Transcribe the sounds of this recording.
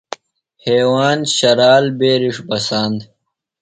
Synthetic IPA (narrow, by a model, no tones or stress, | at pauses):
heːwaːnɕɐɾaːlbeːɾiʂbɐsaːnd̪